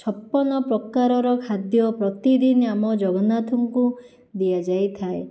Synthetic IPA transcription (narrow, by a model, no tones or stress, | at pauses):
t͡ʃʰɔpːɔnɔpɾɔkaɾɔɾɔkʰad̪jɔpɾɔt̪id̪inamɔd͡ʒɔɡɔnat̪ʰuŋku | d̪iad͡ʒajt̪ʰae